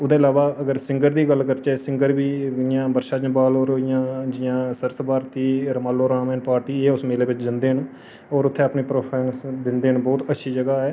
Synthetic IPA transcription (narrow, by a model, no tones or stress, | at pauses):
ʊd̪ẽːɪlaːʋaːəɡəɾsɪ̃ŋɡəɾd̪iːɡəlkəɾt͡ʃɛsɪ̃ŋɡəɾbiːɪjãːbəɾʃaːd͡ʒə̃baːloːɾoːɪjãːd͡ʒɪjãːsəɾsbaːɾt̪iːɾəmaːlːoːɾaːmɛːnpaːɾʈiːeːʊsmeːleːʋɪt͡ʃd̪ɪnd̪eːɦən | ɔːɾʊt̪ʰːẽːəpniːpɾoːpʰɛːŋsd̪ɪnd̪eːənbɔːt̪ətːʃʰiːd͡ʒəɡaːɦɛː